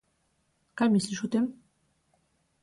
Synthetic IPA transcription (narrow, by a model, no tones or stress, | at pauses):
kajmisliʃut̪em